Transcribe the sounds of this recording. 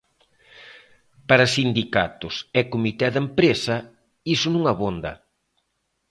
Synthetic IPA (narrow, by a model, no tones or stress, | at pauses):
paɾɐsind̪ika̰t̪ʊsɛkomit̪ɛðempɾesɐ | isʊnũŋɐβond̪ɐ̰